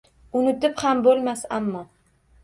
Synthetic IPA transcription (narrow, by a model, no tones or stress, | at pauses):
ʊnɪt̪ɪphambolˠmasamːɒ